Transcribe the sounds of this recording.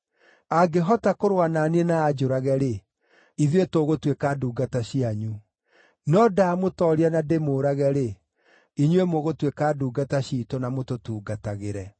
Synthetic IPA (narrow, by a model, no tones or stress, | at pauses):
aɡeɦɔtakoɾwanaːneenaːd͡ʒoɾaɣɛɾe | iðwetoɣotwekaduːɡataɕiaɲu | nɔdaːmotɔɾianademoːɾaɣɛɾe | iɲwemoɣotwekaduːɡataɕiːtɔnamototuːɡataɣeɾɛ